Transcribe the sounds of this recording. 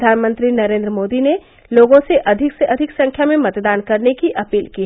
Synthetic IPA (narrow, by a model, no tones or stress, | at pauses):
d̪ʱaːnmə̃nt̪ɾinɐɾẽːnd̪ɾəmoːd̪ine | loːɡõseʔɐd̪ʱɪkseɐd̪ʱɪksɐ̃ŋkʰjamẽmɐt̪d̪aːnkɐɾnekiʔɐpiːlki